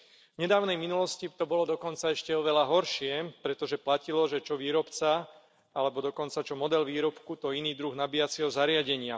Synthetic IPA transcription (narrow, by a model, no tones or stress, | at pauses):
vɲɛd̪aːʊnɛjminulɔscit̪ɔbɔlɔd̪ɔkɔnt͡saɛʃcɛɔʋɛlaɦɔɾʃɪɛpɾɛt̪ɔʒɛplacilɔʒɛt͡ʃɔʋiːɾɔpt͡sa | alɛbɔd̪ɔkɔnt͡sat͡ʃɔmɔd̪ɛlʋiːɾɔpkut̪ɔiniːd̪ɾuɣnabijat͡sɛɦɔzaɾɪaɟɛɲɪa